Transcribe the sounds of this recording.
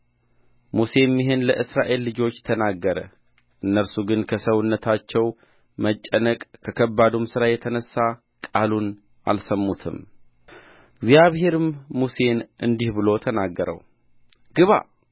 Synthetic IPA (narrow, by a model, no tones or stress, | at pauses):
muse̞mːɪɦenləʔɨsɾaʔe̞lːɨd͡ʒo̞t͡ʃːt̪ʰənaɡːəɾə | ʔɨnːəɾsuɡɨnkʰəsəwʊnːət̪ʰat͡ʃːɛw | mət͡ʃʼːənəkʼkʰəkʰəbːad̪omsɨɾajɛt̪ʰənəsːa | kʼalun | ʔa̰lsəmːut̪ʰɨ̰m | ɡzijaβhe̞ɾɨmːuse̞nʔɨnd̪ihbɨlo̞t̪ʰənaɡːəɾə̰w | ɡ̥ɨβa̰